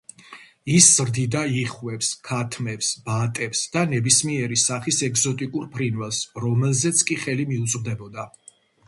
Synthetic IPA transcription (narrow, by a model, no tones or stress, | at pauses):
iszɾd̪id̪aiχwvɛpskʰat̪ʰmɛpsb̥at̪ʼɛpsd̪anɛbismiɛɾisaχisɛɡzɔt̪ʼikʼuɾpʰɾinvɛlˠsɾɔmɛlzɛt̪sʰkʼiχɛlimiut̪sʼʁd̪ɛbɔd̪a